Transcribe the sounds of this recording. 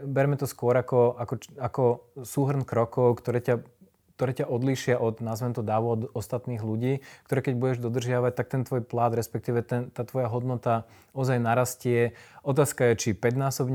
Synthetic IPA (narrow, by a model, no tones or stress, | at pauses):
bɛɾmɛt̪ɔskwʊɔɾakɔakɔakɔsuːɦɾ̩nkɾɔkɔʊkt̪ɔɾɛːca | k̚t̪ɔɾɛːcaʔɔd̪liːʃɪaʔɔd̪nazʋɛnt̪ɔd̪aːʋɔd̪ɔst̪at̪niːɣluɟiːk̚t̪ɔɾɛːkɛɟbuɟɛʒd̪ɔd̪r̩ʒɪaʋac̚t̪ak̚t̪ɛnt̪ʋɔːjplad̪ɾɛspɛk̚t̪iːʋɛt̪ɛnt̪aːt̪ʋɔjaɦɔd̪nɔt̪a | ɔzajnaɾascɪɛɔt̪aːskajɛt͡ʃipɛd̪naːsɔbɲ